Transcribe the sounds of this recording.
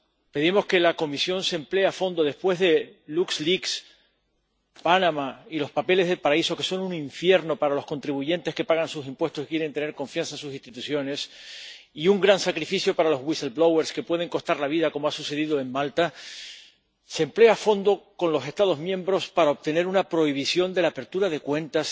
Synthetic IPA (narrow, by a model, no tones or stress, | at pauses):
pe̞ðimo̞ske̞lako̞misjo̞nsemple̞afo̞nd̪o̞ðe̞spwe̞zðe̞luksliks | panamailo̞spape̞le̞zð̞e̞lpaɾaiso̞ke̞so̞nunĩɱfje̞ɾno̞paɾalo̞sko̞nt̪ɾiβuʝe̞nt̪e̞ske̞paɣansusimpwe̞st̪osikje̞ɾe̞nt̪e̞ne̞ɾkõ̞ɱfjansansus̬ĩst̪it̪usjo̞ne̞s | iuŋɡɾansakɾifisjo̞paɾalo̞zwiselblowe̞ɾske̞pwe̞ðe̞ŋko̞st̪aɾlaβ̞iðako̞moasuse̞ðiðoe̞ŋmalt̪a | semple̞afo̞nd̪o̞ko̞nlo̞se̞st̪að̞o̞zmjẽ̞mbɾo̞spaɾaop̚t̪e̞ne̞ɾunapɾo̞iβ̞isjo̞nd̪e̞laːpe̞ɾt̪uɾaðe̞kwe̞nt̪as